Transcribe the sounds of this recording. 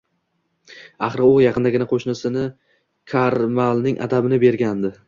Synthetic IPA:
aχɾɪʊjɑqʰɨnd̪aɡʲɪnaqʰoʃnɪsɪnɪ | kʲʰaɾmalˠnɪŋʔa̰d̪abɪnɪbe̞ɾɡʲand̪ɪ

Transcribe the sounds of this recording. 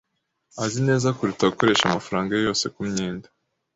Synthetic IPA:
azine̞ːzakuɾutaɡuko̞ɾe̞ːʃamafaɾaːŋɡajjo̞ːse̞kumɲiːndḁ

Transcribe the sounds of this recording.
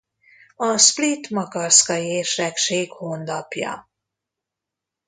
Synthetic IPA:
ɒsplit̪mɒkɒrskɒjeːrʃɛkʃeːkhond̪ɒpjɒ̰

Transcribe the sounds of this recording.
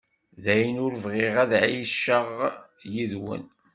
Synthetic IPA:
ðæjnʊɾvʁeʁæðʕiʃːəʁ | jiðwə̰n

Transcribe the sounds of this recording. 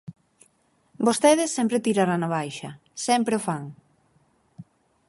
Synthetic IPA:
bost̪eðɪsːɛmpɾet̪iɾaɾanaβajʃɐ̰ | sɛmpɾefaŋ

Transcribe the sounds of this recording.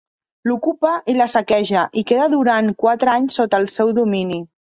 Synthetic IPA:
lukupəʔiləsəkɛʒəʔikeðəðuɾaŋkwat̪ɾəaɲsːot̪əːlˠsɛwðumini

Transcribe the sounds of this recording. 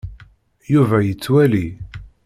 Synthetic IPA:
juvæjət͡sːwæli

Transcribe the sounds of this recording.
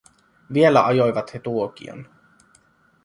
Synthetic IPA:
ʋielæʔɑjojʋɑt̪het̪uok̟ḭo̰n

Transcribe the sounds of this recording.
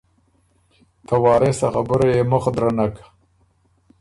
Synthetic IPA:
t̪awɑːɾesaxabəɾajeməxd̪ɾanakḁ

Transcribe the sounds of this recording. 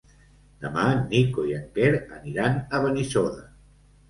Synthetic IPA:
d̪əmanikoiaŋkeɾəniɾanəβənisoða

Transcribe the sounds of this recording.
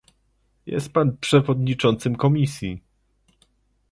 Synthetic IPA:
jɛ̰st̪̚panpʂɛvɔd̪ɲit͡ʂɔnt̪sɘmkɔmʲisʲji

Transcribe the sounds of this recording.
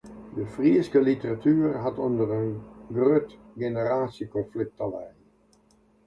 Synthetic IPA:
dəfriəskəlitəratʰyərɦatondərənɡrøtɡenəraːsjəkɔnflɪk̚talɛj

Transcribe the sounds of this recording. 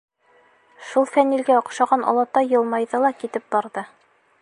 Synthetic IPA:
ʃulˠfænːilɡæŏqʃɑʁɑnʔɒ̰lˠɑt̪ːɑjɤ̆lˠmɑjðɤlˠɑkit̪ɘp̚bɑɾðɤ

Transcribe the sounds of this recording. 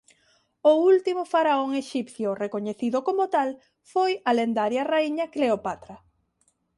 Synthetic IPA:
ʊult̪imʊfaɾaoŋeʃipθjorekoɲeθiðʊkomot̪al | fojalend̪aɾjaraiɲɐkleopat̪ɾa

